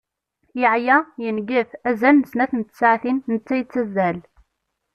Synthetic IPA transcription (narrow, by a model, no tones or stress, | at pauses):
jəʕjæjənɡəfæzælnəsnæθnt̪ːə̥sʕθinːət͡sːæjət͡sːæzːæl